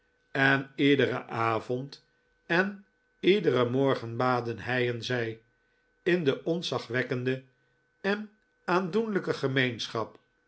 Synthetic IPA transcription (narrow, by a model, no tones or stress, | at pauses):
ɛnidərə̰ʔaːvɔnt | ɛn | idəɾəmɔɹχənbaːdənɦɛjɛnzɛj | ɪndəʔɔnsɑχʋɛkəndə | ɛn | aːndunləkəχəmejnsχɑp